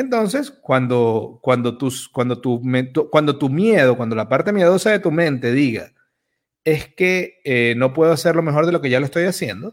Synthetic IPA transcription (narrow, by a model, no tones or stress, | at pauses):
ent̪o̞nse̞skwand̪o̞kwand̪o̞t̪uskwand̪o̞t̪umet̪ukwand̪o̞t̪umje̞ð̞o̞kwand̪olapaɾt̪e̞mjeð̞o̞saðe̞t̪umẽ̞nt̪e̞ðiɣa̰ | e̞ske̞eno̞pwe̞ð̞oase̞ɾlo̞me̞xo̞ɾðe̞lo̞ke̞ʝaloest̪ojasje̞nd̪o